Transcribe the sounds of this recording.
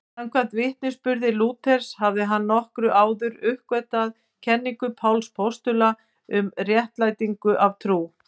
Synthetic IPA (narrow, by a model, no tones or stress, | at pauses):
aŋkʰvant̪vɪht̪̚nɪspʏɾðɪluːt̪ʰɛɾ̥shavðɪɦanːɔhkɾʏʔaːwðʏɾʏhkvɛt̪að | cʰɛnːiŋkʏpʰawlspʰɔst̪ʏla | ʏmrjɛht̪laːjt̪iŋkʏʔavt̪ʰɾuː